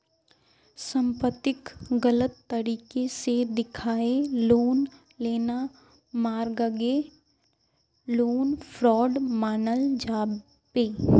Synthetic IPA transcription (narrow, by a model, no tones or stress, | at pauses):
sə̃mpət̪ːɪkɡələt̪ːəɾiːkesed̪ɪkʰaːeloːn | leːna | maːɾɡəɡe | loːnfʰɾɔːɖmaːnəld͡ʒaːb | peː